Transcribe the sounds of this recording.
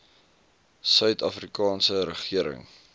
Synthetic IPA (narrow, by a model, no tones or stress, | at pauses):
sœɥtɐfrikɑːnsəɾəχiəɾə̰ŋ